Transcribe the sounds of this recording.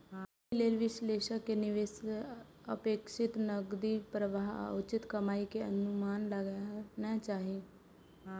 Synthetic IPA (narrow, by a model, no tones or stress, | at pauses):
ileːlʋɪsleːʃəkenɪʋeːs | ə̰peːkʃɪt̪nəɡd̪iːpɾəʋaːɦa̰ʊt͡ʃɪt̪kəmaːikeənʊmaːnləɡnɛ̃ːt͡ʃaːɦeː